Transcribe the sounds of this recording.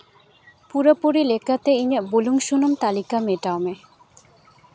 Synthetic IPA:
puɾapoɾilekat̪eiɲeboluŋʃunomt̪alikameʈawme

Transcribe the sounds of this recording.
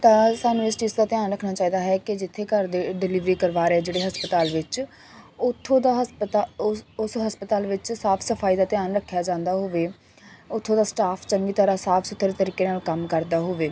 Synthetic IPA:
t̪ãːsaːnɪsʈiːsd̪aːt̪ɪjaːnɾəkʰnaːt͡ʃaːiːd̪aːɦɛːkɪd͡ʒɪt̪ʰːeːkəɾd̪eːɖɪlɪʋɾiːkəɾʋaːɾeɛːd͡ʒeːɽeːɦəspət̪aːlʋɪt͡ʃ | ʊt̪ʰːõːd̪aːɦpt̪ːʊsɦəspət̪aːlʋɪt͡ʃsaːpʰsəpʰaːiːd̪aːt̪ɪjaːnɾəkʰːjaːd͡ʒãːnd̪aːɦoːʋeː | ʊt̪ʰːõːd̪aːsʈaːpʰt͡ʃəŋɡiːt̪ʰəɾaːsaːpʰsət̪ʰːɾeːt̪əɾiːkeːnaːlkəmkəɾd̪aːɦoːʋeː

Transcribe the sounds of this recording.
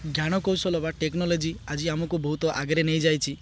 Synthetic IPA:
ɡʱjaɽ̃ɔkowsɔlɔbaʈeknɔlɔd͡ʒiad͡ʒiamɔkubɔɦut̪ɔʔa̰ɡɾenejd͡ʒajt͡ʃʰi

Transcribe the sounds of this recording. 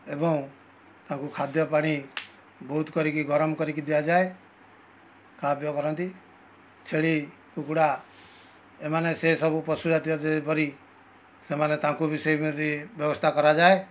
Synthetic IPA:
ebɔŋ | t̪ãkukʰad̪jɔpaɽ̃i | bɔɦut̪kɔɾikiɡʱɔɾɔmkɔɾikid̪ijad͡ʒae | kabjɔkɔɾɔnt̪i | t͡ʃʰeɭi | kukuɽa | emanesesɔbupɔsud͡ʒat̪iɔt̪epɔɾi | semanet̪ãkubisɔjɾibjɔbɔst̪ʰakɔɾad͡ʒae

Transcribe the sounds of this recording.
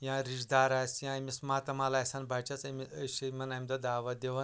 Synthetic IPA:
jãɾiʂd̪aɾajsjãmismat̪ɐmalajsanbʱat͡ʃat͡sɐmiɕimɐnɐmʲd̪ɐd̪aːʋɐd̪eʋɐ

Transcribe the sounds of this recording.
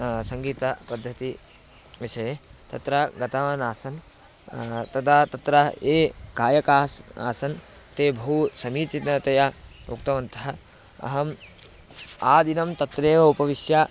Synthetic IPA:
sɐŋɡiːt̪ɐpɐd̪ʱːɐt̪i | ʋiʃɐjet̪ɐt̪ɾɐɡɐt̪aʋaːnaːsɐn | t̪ɐt̪ʰat̪ɐt̪ɾɐeːkaːjɐkaːsa̰ːsɐn | t̪eːbʱɐɦusɐmiːt͡ʃit̪nɐt̪ɐjauk̚t̪ɐʋɐnt̪ʰɐɦɐ | ɐ̰ɦɐm | aːd̪inɐmt̪ɐt̪ɾeːʋɐupɐʋiʃjaː

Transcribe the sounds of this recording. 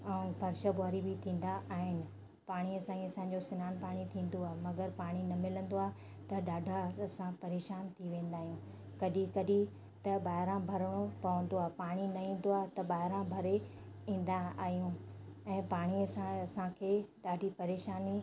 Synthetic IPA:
ɛ̃ːbɐɾʃəbʊaːɾibʱɪt̪ʰĩːn̆d̪aʔaːɦɪnɪ̆ | paːɽ̃iɐsãːĩɐsãːɲd͡ʑosɪnaːnpaːɽ̃it̪ʰĩːn̆d̪oaːɦemɐɡəɾpaːɽ̃inɐmɪlə̃nd̪oaːɦe | t̪ɐɗaːɖʱaɐsãpɐɾeːʃaːnt̪ʰiʋẽːn̆d̪aːɦijũː | kɐɗikɐɗi | t̪ɐɓaːɦɪɾãbʱɐɾəɽ̃opɐʋə̃nd̪oaːɦepaːɽ̃inɐĩːn̆d̪oaːɦt̪ɐɓaːɦɪɾãbʱɐɾe | ĩːn̆d̪aaːɦijũɛ̃ːpaːɽ̃iɐsãɐsãkʰeːɗaːɖʱipɐɾeːʃaːni

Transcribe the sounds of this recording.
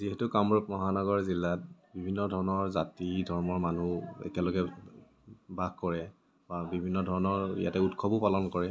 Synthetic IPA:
ziɦɛtukamɹɔp̚mɔɦanɔɡɔɹzilːat̚bibʱinːɔdʱɔɹɔnɔɹzatidʱɔɹmɔɹmanuɛ̰tialoɡɛ | baɡkɔɹɛ | babibʱinːɔdʱɔɹɔnɔɹḭja̰tɛutkʰɔbupalɔnkɔɹɛ

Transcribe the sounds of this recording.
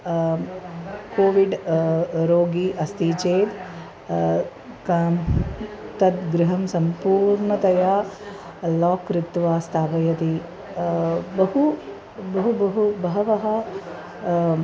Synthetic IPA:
koːʋiɖ | ɾoːɡiʔɐst̪iːt͡ʃeːt̪ | kː | t̪ɐt̪̚ɡɾɪɦɐmsɐmpuːɾɳɐt̪ɐjaː | lɔːkɾɪt̪ʋaːst̪ʰaːʋɐjɐt̪i | bɐɦu | bɐɦubɐɦubɐɦɐʋɐɦɐ

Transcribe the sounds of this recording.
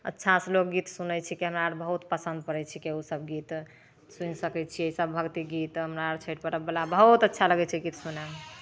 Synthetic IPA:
ə̰tːʃʰaslokɡit̪sunəjt͡ʃʰikeɦəmɾaːɾbəɦut̪pəsə̃nd̪̚pəɾɛt͡ʃʰikeusəbɡit̪ | sunsəkɛt͡ʃʰieisəbːʱəɡt̪iɡit̪ɦəmɾaːɾt͡ʃʰəʈ̚pəɾəbelabəɦut̪ətːʃʰaləɡɛt͡ʃʰiɡit̪sunɛm

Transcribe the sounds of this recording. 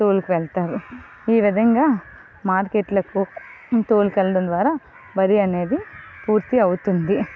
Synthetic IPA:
t̪oːlukiʋɛɭt̪aːɾu | iːʋid̪ʱɐŋɡaː | maːɾkeʈlɐkut̪oːlukɛlːɐɽɐnd̪ʋaːɾaː | bɐɾiɐne̞ːd̪ipuːɾt̪iɐwut̪und̪i

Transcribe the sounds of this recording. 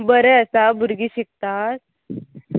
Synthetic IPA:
bəɾɛəsabʱuɾɡiːɕik̚t̪as

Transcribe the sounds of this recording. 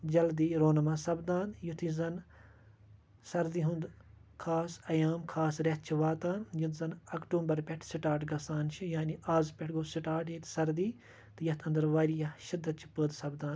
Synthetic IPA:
d͡ʒɐld̪iːɾoːnɐmaːsɐbd̪ãːnd̪jut̪ʰizɐn | sɐɾd̪iːɦũnd̪kʰaːsɐjaːmkʰaːsɾɐt̪̚t͡ʃʰiʋaːt̪aːnjint̪zɐnɐkʈuːmbɐɾpʲɛʈʰsiʈaːʈɡɐsaːnt͡ʃʰijaːniaːzpʲɛʈʰɡoːsiʈaːʈjit̪sɐɾd̪iː | t̪ɨjɐt̪ʰɐnd̪ɐɾʋaːɾijɐʃɪd̪ːɐt̪̚t͡ʃʰi̥pəːd̪sɐbd̪ãːn

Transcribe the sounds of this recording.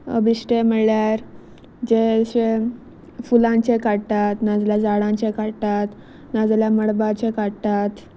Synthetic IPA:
ə̰biɕʈeməɭjaɾ | d͡ʑeɕe | fulãɲt͡ɕekaɽt̪at̪nad͡zljad͡zaɽãt͡ɕekaɽt̪at̪ | nad͡zljaməɽbat͡ɕekaɽt̪at̪

